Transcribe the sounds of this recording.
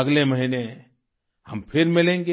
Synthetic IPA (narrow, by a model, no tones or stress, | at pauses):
ɐɡlemɐɦiːne | hɐmpʰɪɾmɪlẽːŋɡe